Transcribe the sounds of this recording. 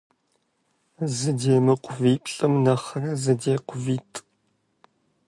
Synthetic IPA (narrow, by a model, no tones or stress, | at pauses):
zɨdeːmɨqʷʰʊviːpʰʼɬʼɨmnɐχɐnɐzɨdeːqʷʊviːtʼ